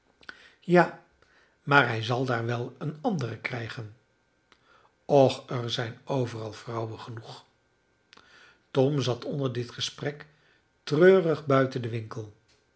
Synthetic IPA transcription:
jaː | maːɹɦɛjzɑlˠdaːɹʋɛlˠənɑndərəkrɛjχən | ɔχəɹzɛjnowvərɑlˠvrʌwənχənuχ | tɔmzɑtʰɔndəɹdɪtχəsprɛk | trøːrəχbœɥtəndəʋɪŋkəlˠ

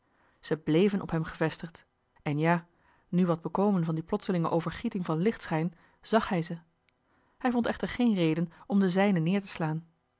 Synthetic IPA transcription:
z̥əblejvənʔɔ̰pɦɛmχəvɛstəχt | ɛnjaː | nyʋɑd̚bəkowmənvɑndiplɔtsəlɪŋəʔowvəɹχitɪŋvɑnlɪχtsχɛjn | z̥ɑχɦɛjzə | hɛjvɔntɛχtəɹχejnrejdənɔmdəzɛjnənːɪːɹtə̥slaːn

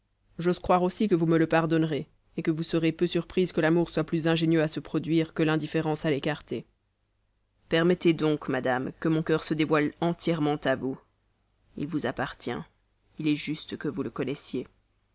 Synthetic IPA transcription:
ʒozkχwaʁosikəvumələpaʁd̪ɔnʁe | ekəvusəʁepøsyʁpχizkəlamuʁswaplyzɛ̃ʒenjøasəpχɔd̪ɥiʁkəlɛ̃d̪ifeʁɑ̃salekaʁt̪e | pɛʁmɛt̪ed̪ɔ̃kmad̪amkəmɔ̃kœʁsəd̪evwalɑ̃t̪jɛʁmɑ̃t̪avu | ḭlvuzapaʁt̪jɛ̰̃ | ilɛʒyst̪kəvuləkɔnɛsje

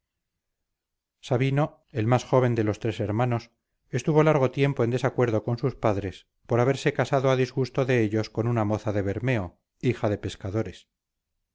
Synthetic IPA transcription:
saβino̞ | elmasxo̞β̞e̞nd̪e̞lo̞st̪ɾe̞se̞ɾmano̞s | est̪uβo̞laɾɣ̞o̞t̪je̞mpo̞end̪e̞sakwe̞ɾðo̞ko̞nsuspaðɾe̞s | po̞ɾaβ̞e̞ɾse̞kasaðoaðizɣust̪oðe̞eʎo̞sko̞nunamo̞θaðe̞βeɾmeo̞ | ixaðe̞pe̞skaðo̞ɾes

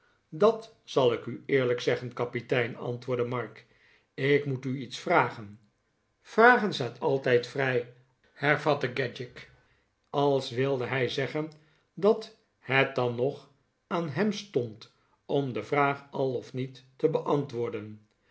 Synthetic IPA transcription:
dɑt | sɑlˠɪkyɪːɹləksɛχənkɑpitɛjnɑ̰ntʋʊːɹdəmɑɹk | ɪkmutyitsfraːχən | fraːχənzaːtʰɑlˠtɛjtfrɛj | hɛɹvɑtəɡɛd͡ʒɪk | ɑlˠsʋɪlˠdəɦɛjzɛχən | dɑt | hɛt̚d̥ɑnːɔχ | aːnɦɛmstɔnt | ɔmdəvraːχɑlˠɔfnitːəbəʔɑntʋʊːɹdən

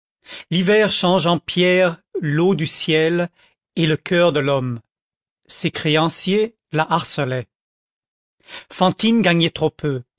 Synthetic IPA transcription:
livɛʁʃɑ̃ʒɑ̃pjɛʁlod̪ysjɛl | eləkʲʰœʁd̪əlɔm | sekχeɑ̃sje | laʔaʁsəlɛ | fɑ̃t̪inɡaɲɛt̪χopʰø

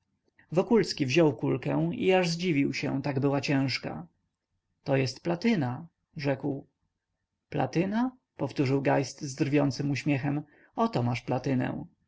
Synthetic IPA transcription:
vɔkulskʲivʑɔwkulkɛ̃w̃ḭaʐzd͡ʑivʲiwɕɛ̰̃t̪aɡbɘwat͡ɕɛ̃w̃ʂka̰ | t̪ɔjɛst̪plat̪ɘna | ʐɛkw | pla̰t̪ɘna | pɔft̪uʐɘwɡajst̪zd̪ɾvʲjɔnt̪sɘmuɕmʲjɛxɛm | ɔt̪ɔmaʂplat̪ɘnɛ̰w̃

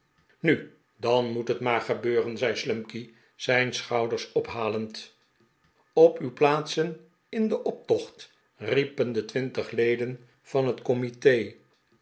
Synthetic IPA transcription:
ny | dɑnmutɦətmaːɹχəbøːrənzɛjslɵmki | z̥ɛjnsχɑwdəɹsɔpɦaːlənt | ɔpywplaːtsən | ɪndəʔɔp̚tɔχt | ripəndətʋɪntəχlejdən | v̥ɑnɦətkɔmitej

